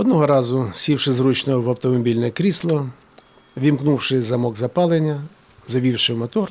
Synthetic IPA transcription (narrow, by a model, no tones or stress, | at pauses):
ɔd̪nɔɦɔɾɑzʊsʲiwʂɪzɾut͡ʃnɔɔwɐwt̪ɔmɔbʲilʲnɛkɾʲislˠɔ | ʋʲimknuwʂɪzɐmɔɡzɐpɑlˠenʲːɐ | zɐʋʲiwʃɪmɔt̪ɔr